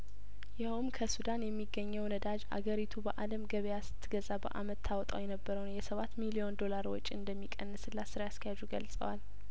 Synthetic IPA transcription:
jɪhumkʰəsud̪anjɛmːiɡːəɲːɛwnəd̪ad͡ʒa̰ɡəɾit̪ʰubəʔaləmɡəβejasɨ̥t̪ʰːɨɡəzabə̰ʔa̰mət̪ʰːawɔt̪ʼawjɛnəbːəɾəwnjɛsəβat̪ːmilio̞nd̪o̞laɾwɔ̰t͡ʃʼːiɨnd̪əmːikʼənːɨsɨlːasɨɾajaskʰəjad͡ʒuɡəlsʼə̰wal

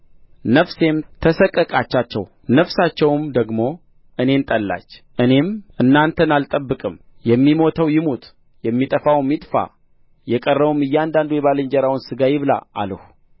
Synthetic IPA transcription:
nəfse̞mt̪ʰəsəkʼːəkʼat͡ʃːat͡ʃːɛ̰w | nəfsat͡ʃːɛwmd̪əɡmo̞ | ʔɨne̞nt̪ʼəlːa̰t͡ʃːʔɨne̞mɨnːant̪ʰənalt̪ʼəbːɨkʼɨmjɛmːimo̞t̪ʰəwjɪmut̪ | jɛmːit̪ʼəfawmːit̪ʼfa̰ | jɛkʼərːəβumɨjːɛand̪and̪ojɛβalɨnd͡ʒɛɾawnsɨɡajɪβɨla̰a̰ləh

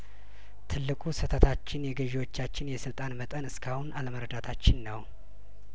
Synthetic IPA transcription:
t̪ʰɨlːɨkʼusət̪ʰət̪ʰat͡ʃːɪnjɛɡəʒewo̞t͡ʃːat͡ʃːɪnjɛsɨlt̪ʼanmət̪ʼənɨskʰahunaləməɾəd̪at̪ʰat͡ʃːɪnːəw

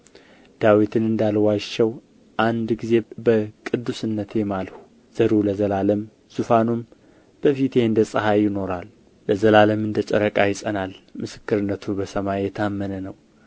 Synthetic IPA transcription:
d̪̥awit̪ʰɨnɨnd̪alwat͡ʃːɛw | ʔand̪ɡize̞bəkʼɨd̪ːusɨnːət̪ʰjemalhu̥ | z̥əɾuləzəlaləm | z̥ufanum | b̥əfit̪eɨnd̪əsʼɨɦajɪno̞ɾalː | ləzəlaləmɨnd̪ət͡ʃʼə̰ɾəkʼajɪsʼənalmɨsɨ̥kːɨɾɨnːət̪ʰubəsəmajjɛt̪ʰamːənənəw

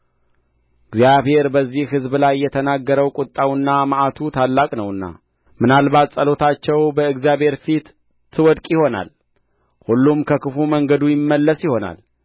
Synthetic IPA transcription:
ɨɡzjaβhe̞ɾbəzːihɦɨzblajːɛt̪ʰənaɡːəɾəwkʼʊt̪ʼːawɨnːamaʔat̪ʰut̪ʰalːakʼnəwɨnːa̰ | mɨnalbat̪sʼəlo̞t̪ʰat͡ʃːɛwbəɨɡzjaβhe̞ɾfit̪ːʰ | ɨwɔd̪kʼjɪho̞na̰l | hulːumkʰəkʰɨfuməŋɡəd̪ujɪmːəlːəsjɪho̞na̰l

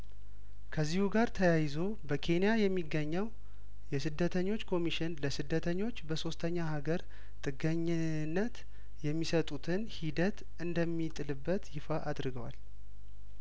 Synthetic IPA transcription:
kʰəzːihuɡaɾt̪ʰəjajɪzo̞ | bəkʰe̞njajɛmːiɡːəɲːəw | jɛsɨd̪ːət̪ʰəɲːo̞t͡ʃːkʰo̞miʃɪnləsɨd̪ːət̪ʰəɲːo̞t͡ʃːbəso̞st̪ʰəɲːahaɡəɾ | t̪ʼɨɡəɲː | nːət̪ | jɛmːisət̪ʼut̪ʰɨnhid̪ət̪ | ɨnd̪əmːit̪ʼɨlɨbːət̪jɪfaʔad̪ɾɨɡəwa̰l

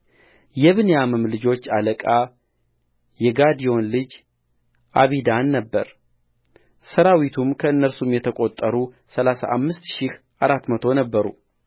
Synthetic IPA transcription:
jɛβɨnejamɨmlɨd͡ʒo̞t͡ʃːaləkʼa | jɛɡad̪ijo̞nlɨd͡ʒ | ʔaβid̪anːəbːəɾ | səɾawit̪ʰumkʰəɨnːəɾsumjɛt̪ʰəkʼo̞t̪ʼːəɾu | səlasa̰ʔamːɨst̪ʃɪh | ʔaɾat̪mət̪ʰo̞nəbːəɾṵ

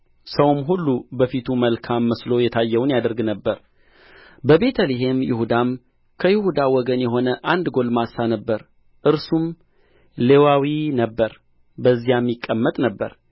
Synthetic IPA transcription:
səwmɦulːubəfit̪ʰuməlkʰamːəslo̞jɛt̪ʰajːɛwnjad̪əɾɡnəbːəɾ | bəbe̞t̪ʰəliɦe̞mjɪ̰hud̪am | kʰəjɪhud̪awɔɡənjɛɦo̞nəʔand̪ɡo̞lmasanəbːəɾ | ʔɨɾsum | le̞wawinəbːəɾ | bəzːijamːikʼːəmːət̪ʼnəbːə̰ɾ

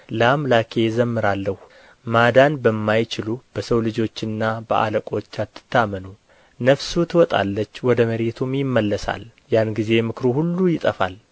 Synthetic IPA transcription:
lamlakʰe̞zəmːɨɾalːəh | mad̪anbəmːajt͡ʃɪlub̥əsəwlɨd͡ʒo̞t͡ʃːɨnːabəʔa̰ləkʼo̞t͡ʃːat̪ːɨ̥t̪ʰːamːənu | nəfsut̪ʰɨwɔt̪ʼa̰lːət͡ʃːwɔd̪əməɾe̞t̪ʰumjɪmːəlːəsa̰l | janɡize̞mɨkɾuhulːujɪt̪ʼəfa̰l

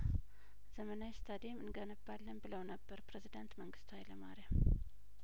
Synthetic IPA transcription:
z̥əmənajst̪ʰad̪emɨnɡənəbːalːənbɨləwnəbːəɾpɾezid̪ant̪məŋɡɨst̪ʰajləmaɾə

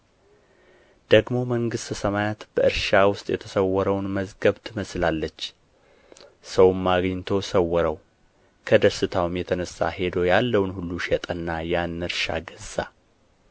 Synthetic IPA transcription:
d̪̥əɡmo̞məŋɡɨst̪səmajat̪b̥əʔɨɾʃawʊst̪ʼjɛ̰t̪ʰəsəwːɔɾəwnməzɡəβt̪ʰɨməslalːət͡ʃː | səwmːaɡɲːt̪ʰo̞səwːɔɾəw | kʰəd̪əsɨt̪ʰawmjɛt̪ʰənəsːa̰he̞d̪o̞jalːəwnhulːuʃjɛt̪ʼənːajanːɨɾʃa̰ɡəza̰

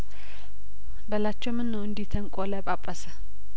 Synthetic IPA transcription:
bəlat͡ʃːɛwmɨnːəwɨnd̪it̪ʰəŋkʼoləbʼapʼːəsə

